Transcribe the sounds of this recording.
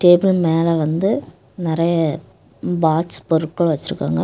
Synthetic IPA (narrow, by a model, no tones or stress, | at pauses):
ʈeːbɪlmeːlɐʋɐnd̪ɯ | nɪɾɐjɐ | baːʈspɔɾɯʈkːɐɭʋɐt͡ʃːɪɾɯkːa̰ːŋɡɐ